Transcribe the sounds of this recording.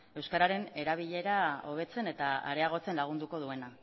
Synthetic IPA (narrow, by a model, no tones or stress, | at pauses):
e̞wskaɾaɾe̞ne̞ɾaβ̞iʎe̞ɾao̞βe̞t͡se̞ne̞t̪aa̰ɾe̞aɣ̞o̞t͡se̞nlaɣ̞und̪uko̞ðue̞na